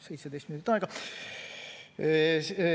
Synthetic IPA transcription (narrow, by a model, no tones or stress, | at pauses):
se̞jt̪sed̪ejst̪minut̪it̪ːɑeɡɑ